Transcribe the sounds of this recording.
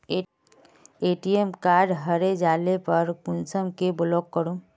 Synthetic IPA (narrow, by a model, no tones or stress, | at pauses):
eʈijemkaɾɖɦəɾed͡ʒalepəɾkunsəmkeblɔkːəɾũ